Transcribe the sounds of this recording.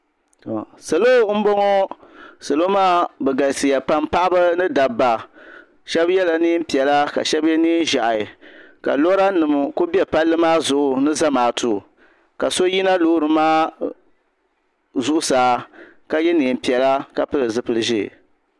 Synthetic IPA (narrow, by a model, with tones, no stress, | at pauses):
to˨sa˨lo˦m̩˦bo˦ŋo˦sa˨lo˦maː˦bɛ˨ɡa˨lsɨ˨ja˨pa˦mpa˦ʔa˦ba˦nɨ˦da˨ba˨ | ʃɛ˦bjɛ˦la˨niː˦m̩˦pi˨ɛ˨la˦ka̰˨ʃɛ˦bɛ˦niː˦n˦ʒa˨ʔa˨ɪ˨ka̰˨lo˦ɾa˦nɨ˨mɨ˨ko˦bi˦ɛ˦pa˦lːɨ˦maː˦zʊ˨ʔʊ˨nɨ˦za˦maː˨tʰu˨ | ka˨so˦ji˦na˦loː˦ɾɨ˨maː˦ | zʊ˦ʔʊ˦saː˨˦ | ka˨jɛ˦niː˨m̩˦pi˨ɛ˨la˦ka˨pɨ˦lɨ˨zɨ˦pɨ˨lɨ˨ʒɪ̰˦˨